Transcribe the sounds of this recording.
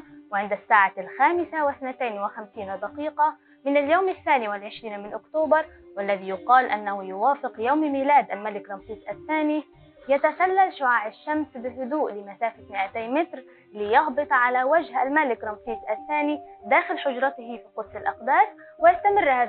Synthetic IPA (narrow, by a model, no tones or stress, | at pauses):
wʕɪnd̪asːaːʕalxaːmɪsawɪθnat̪ajnwɪxamsiːnd̪aqiːqɑ | mɪnaljoːmaθːaːniwɪlʕɪʃɾiːnmɪnʔʊkt̪oːbɑɾˤ | walːaðijʊqɑːlʔanːahʊjʊwaːfɪqjawmmiːlaːd̪ʔalmalɪkɾˤɑmsiːzʔaθːaːni | jat̪asalːalʃʊʕaːʕɪʃːamsbɪlɦʊd̪uːʔlɪmasaːfat̪mɪʔat̪ajmɪt̪ɾ | lɪjɑhbɨt̪ˤʕalawad͡ʒhalmalɪkɾˤɑmfiːzʔaθːaːnid̪aːxɪlħʊd͡ʒɾˤɑt̪ɪhifiqʊd̪sɪlʔɑqd̪aːs | wɪjast̪amɪrːhaː